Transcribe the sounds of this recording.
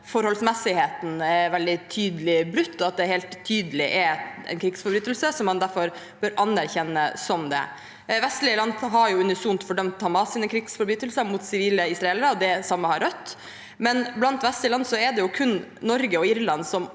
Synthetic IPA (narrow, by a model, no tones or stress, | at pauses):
fɔɾhɔlsmɛsɪheːt̪n̩æʋɛld̪ɪt̪ʰyːd̪əlɪbɾʉt̪ːɔɑt̪̚d̪ɛɦɛːlt̪ʰːyːd̪əlɪʔɛɾɛ̰ɪnkʰɾiːɡsfɔɾbɾyːt̪əlsəsɔmːɑnd̪æɾfɔɾ | b̥øːɾʔɑnæɾçɛnːəsɔmd̪ɛ̰ | ʋɛst̪lɪəlɑnd̪ɦɑɾjʊʉnɪsunt̪fɔɖœmt̪hɑmɑsiːnəkʰɾiːɡsfɔɾbɾyːt̪əlsəmut̪sɪʋiːləɪsɾɑɛlʋəɔd̪ɛsɑmːəhɑɾœt̪ː | mɛnblɑnt̪ʋɛst̪əlɑnd̪sɔɛd̪ɛjʊkʰʉnnɔɾɡəɔɪɾlɑnsɔm